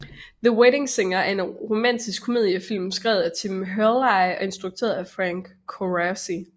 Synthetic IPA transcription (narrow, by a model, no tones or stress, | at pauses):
ðəweɾe̝ŋseŋɐæɐe̝nʁo̝mæn̰d̥isɡ̥̚ʰome̝ðˠjəfil̰msɡ̥ʁɛ̰ːʊðˠæt͡sʰimɦølɑɪɒ̽e̝nsd̥ʁuɡ̥̚t͡sʰø̰ɐðˠæfʁæŋ̰ɡ̥ʰoʁæsi